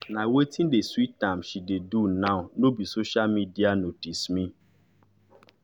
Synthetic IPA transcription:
nawetin̩deswitãmʃidedunaʊnobisoʃalmidianotismĩ

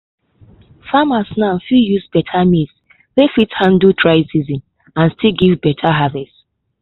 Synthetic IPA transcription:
famasnãnfijuzbɛtʰamids | lefithãndltʰɹaɪsizĩn | ãnstʰiɡivbɛtʰaɦavɛst

